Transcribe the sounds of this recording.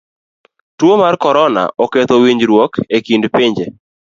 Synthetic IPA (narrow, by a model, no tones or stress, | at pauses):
twomarkɔɾɔna̰ʔɔket̪owiɲd͡ʒɾwɔkekindpɪɲd͡ʒe